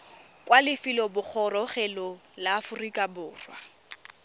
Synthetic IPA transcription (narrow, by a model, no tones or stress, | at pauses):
kʼwalɪfɪlɔbʊk͡xʰɔrɔχɛlɔlaːfʊrikʼabʊːrwa